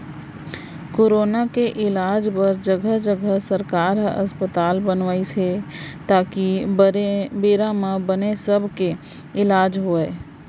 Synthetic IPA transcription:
koːɾoːnakeʔɪlaːd͡ʒpəɾd͡ʒəɡʱəɦd͡ʒəɡʱəsəɾkaːɾɦɐ̰spət̪aːlbənʋaːiset̪aːki | beːɾãmãbənesəbʱke | ɪlaːd͡ʒɦoeː

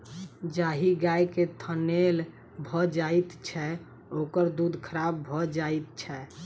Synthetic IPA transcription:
d͡ʒaɦiɡajket̪ʰənel | bʱɔd͡ʒait̪t͡ʃʰɛ | okəɾd̪ud̪ʱkʰəɾabbʱɔd͡ʒajt̪̚t͡ʃʰɛ

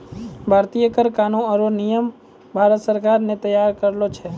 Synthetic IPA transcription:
bʱaːɾt̪ijəkəɾkaːnõəɾonijəm | bʱaːɾət̪səɾkaːɾnet̪əjaːɾkəɾlot͡ʃʰɛː

